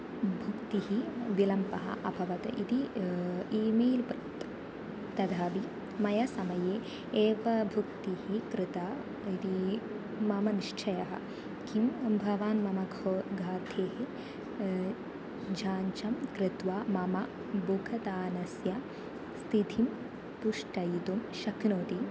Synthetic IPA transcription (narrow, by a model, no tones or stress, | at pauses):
bʱukt̪iɦiʋilɐmpɐɦɐ̰ʔɐbʱɐʋɐt̪ɐ̰ʔid̪i | iːmeːlpɾt̪ | t̪ɐd̪ʱaːʋi | mɐjɐsɐmɐjeː | eːʋɐbʱukt̪ihikɾɪt̪aː | id̪i | mɐmɐniʃt͡ʃʰɐjɐɦɐ̰ | kimbʱɐʋaːnmɐmɐɡʱoɡʱaːt̪ʰeːɦe | d͡ʒʱaːɲt͡ʃɐmkɾɪt̪ʋaːmɐmɐ | buɡʰʱɐt̪aːnɐsjɐ | st̪ʰid̪ʱʰim | puʂʈɐjit̪umʃɐknoːt̪i